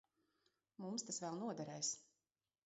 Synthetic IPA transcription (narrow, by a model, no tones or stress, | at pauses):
mumst̪asvɛlˠnuɔd̪ɛɾɛjs